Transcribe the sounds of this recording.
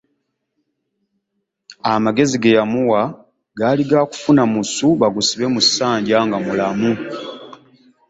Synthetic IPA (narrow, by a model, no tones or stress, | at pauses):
amaɡe̞ziɡejamuwa | ɡaliɡaku̥funamusuβaɡusiβe̞musaːɲɟaŋɡamulamu